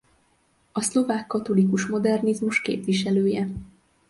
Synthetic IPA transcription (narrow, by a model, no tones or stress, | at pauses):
ɒslo̞vaːkːɒt̪o̞likuʃmo̞d̪ɛrnizmuʃkḛːpʋiʃɛløːjɛ